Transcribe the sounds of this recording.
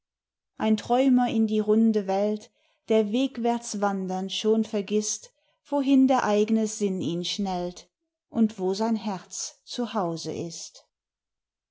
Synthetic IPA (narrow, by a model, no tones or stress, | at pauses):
ʔaɪntʁ̥ɔʏmɐɪndiːʁʊndəvɛlt | d̥eːɐveːkv̥ɛɐt͡sv̥andɐnʃoːnfɛɐɡɪst | v̥oɦɪndeːɐʔaɪɡənəzɪniːnʃnɛlt | ʔʊntv̥oːzaɪnɦɛɐt͡st͡suhaʊzə̰ʔɪst